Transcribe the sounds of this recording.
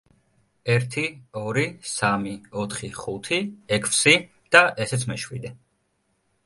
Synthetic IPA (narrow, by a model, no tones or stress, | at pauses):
ɛɾt̪ʰiɔɾisamiɔt̪ʰχiχut̪ʰiɛkʰfsi | d̪̥aʔɛsɛt̪sʰmɛʃwḭd̪ɛ